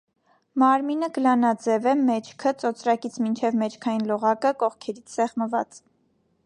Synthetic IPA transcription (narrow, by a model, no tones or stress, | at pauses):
mɑɾminəɡəlɑnɑd͡zɛvɛmɛt͡ʃʰkʰət͡sɔt͡sʰɾɑkit͡sʰmint͡ʃʰɛvmɛt͡ʃʰkʰɑjinlɔʁɑkəkɔχkʰɛɾit͡sʰsɛχməvɑ̰t͡s